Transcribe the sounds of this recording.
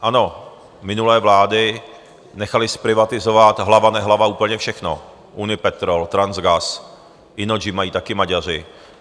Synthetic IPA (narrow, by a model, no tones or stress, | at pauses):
ʔano̞ | mɪnulɛːvlaːdɪ | nɛxalɪspɾɪvat̪ɪzovat̪ɦlavanɛɦlavauːpl̩ɲɛfʃɛxno̰ | ʔunɪpɛt̪ɾolt̪ɾanzɡas | ɪnod͡ʒɪmajiːt̪akɪmaɟar̝ɪ